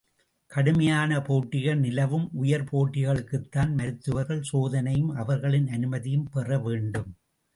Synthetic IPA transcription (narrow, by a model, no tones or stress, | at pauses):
kɐɽɯmɐjaːnɐpoːʈːɪɣɐɭnɪlɐʋɯmʊjɐɾpʰoːʈːɪɣɐɭɯkːɯt̪ːaːnmɐɾɯt̪ːɯʋɐɾɣɐɭsoːðɐnɐjɯmɐʋɐɾɣɐɭɪnɐnɯmɐðɪjɯmpɛrɐʋeːɳɖɯm